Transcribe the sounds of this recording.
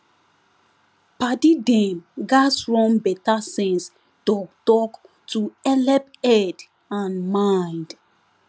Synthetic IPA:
padidɛ̃mɡasɹɔ̃mbɛtasɛ̃ns | dɔktɔk | tuɛlɛpɛd | ãnmãj̃nd

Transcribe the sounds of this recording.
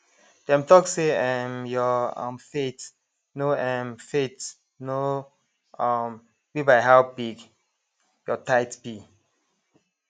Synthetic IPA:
d̥ɛ̃mtɔkseɛmjɔʌ̰̃mfet | noɛmfet | no | ɔm | wibaɪɦawbiɡ | jɔtaɪtbi

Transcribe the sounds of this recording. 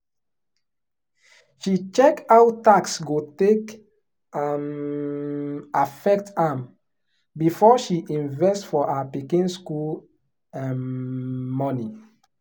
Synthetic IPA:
ʃit͡ʃɛkawtaksɡotek | am | afɛk̚tam | bifɔʃiʔĩnvɛstfɔʔapikĩnskul | ãn | mɔni

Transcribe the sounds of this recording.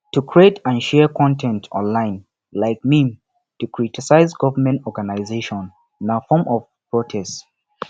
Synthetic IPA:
tukʰɹietə̃nʃɛɹkʰɔ̃ntʰɛ̃ntʰɔ̰̃nlãɪ̃n | laɪk̚mĩm | tukʰɹitisaɪzɡɔvəmɛ̃ntɔɹɡanaɪzeʃɔ̃n | nafɔmɔv̥ | pɹ̥ɔtʰɛst

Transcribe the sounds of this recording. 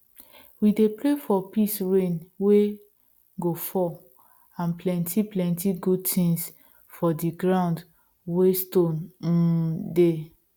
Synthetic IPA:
widepɾefɔpisɹẽnwe | ɡofɔ | ãnplɛ̃ntʰiplɛ̃ntiɡud̚tʰĩŋs | fɔdiɡɹãnd | westõn̩ | de

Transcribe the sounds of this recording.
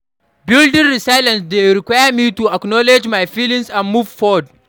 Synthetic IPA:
bɪldɪnɾisajlɐ̃nsdeɾikʷaːjamiːtuʔaknɔlɛd͡ʒmajfilɪ̃ŋsãnmuːvfɔd

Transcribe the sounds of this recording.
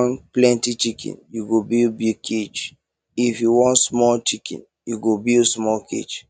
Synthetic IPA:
nplɛ̃ntit͡ʃikʰḭ̃njuɡobilbiɡ̚kʰed͡ʒ | ifjuwɔ̃ntsmɔlt͡ʃikḭ̃n | juɡobilsmɔlkʰḛd͡ʒ

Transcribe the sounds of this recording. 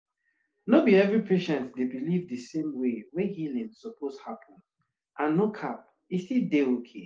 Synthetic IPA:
nobiɛvɹipʰeʃɛ̃ntdebilivdɨsẽmwewɛhilĩŋsɔpʰoshapʰɔ̃n | ʔãnːokʰap̚ | istildeokʰe

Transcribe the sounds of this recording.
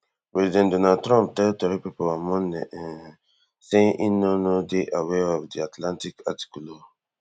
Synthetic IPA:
pɹɛzidɛ̃ndɔnad̚tɹɔ̃mp̚tɛltɔɹipipɔlamɔ̃nɛ̰̃ɛ̃n | sẽʔĩnonodeʔawɛɔvdiatʰlãntika̰ti̥kulo

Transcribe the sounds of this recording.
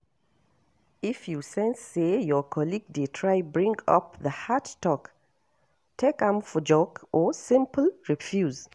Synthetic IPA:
ifjusɛ̃nsːejɔkʰɔliɡ̚detʰɹaɪbɹĩŋɡa̰p̚ðəhadtɔk | tʰekãmfɔd͡ʒɔɡʔɔsɪ̃mpl̩ɹifjuz

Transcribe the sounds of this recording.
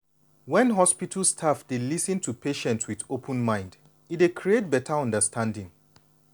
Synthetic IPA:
wɛ̃nɦɔspitʰəlstʰafdelisɨ̃ntʰupʰeʃɛ̃ntswiðopʰə̃nmãɪ̃nd | itdekʰɹiet̚bɛtʰaɔ̃ndəstʰãndɪ̃ŋ

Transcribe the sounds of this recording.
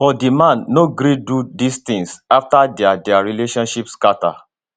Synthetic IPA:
fɔdimãnːoɡɾidudist̪ĩŋsaftadɛadɛaɹileʃɔ̃nʃipskata̰

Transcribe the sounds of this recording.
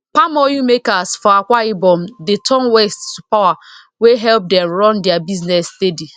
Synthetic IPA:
pamɔjumekasfɔakʷaibɔ̃mdetʰɔ̃nwɛsttupawa | weɦɛlp̚dɛ̃mɹɔ̃ndɛabiznɛsdedi

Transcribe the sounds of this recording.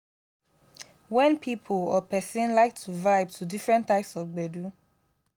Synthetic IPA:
wɛ̃npʰipʰulɔpɛsĩnlaɪk̚tʰuvaɪbtʰudifɹɛ̃ntːaɪpsɔfɡ͡bɛdu

